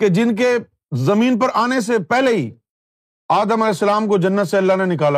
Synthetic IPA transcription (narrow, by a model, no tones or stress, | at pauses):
ked͡ʒɪnk̬e | zɐmĩːnpɐɾaːnes̬epɛɦleɦi | aːd̪əmɐlɛːsːɐlaːmkod͡ʒɐnːət̪seɐlːanenɪkaːla